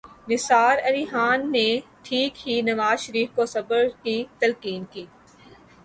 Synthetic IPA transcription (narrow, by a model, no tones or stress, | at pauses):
nɪsaːɾɐliːɦaːnːeʈʰiːkɦinɐʋaːzʃəɾiːfkosɐbəɾkit̪ɐlkiːnkiː